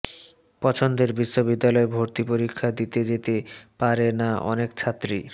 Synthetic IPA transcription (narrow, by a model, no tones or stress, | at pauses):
pɔt͡ɕʰond̪eɾbiʃːobid̪ːalɔebʱoɾt̪ipoɾikʰːad̪it̪ed͡ʑet̪epaɾenaʔɔ̰nekt͡ɕʰat̪ːɾi